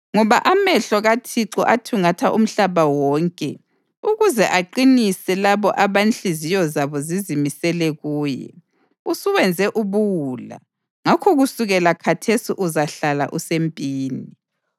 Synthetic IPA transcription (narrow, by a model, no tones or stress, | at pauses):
ŋɔβaʔamɛɬɔɣatʰiǁɔʔatʰuŋatʰaʔṵm̩ɬaβawɔːŋkʼɛ | uɣuzɛʔaǃinisɛlaβɔʔaβant͡ɬizijɔzaβɔzizimisɛlɛɣuːjɛ̰ | usuwɛnd͡zʱɛʔuβuwula̰ | ŋakʰɔɣusuɣɛlakʰatʰesiʔuzaɬala̰ʔusempʼiːni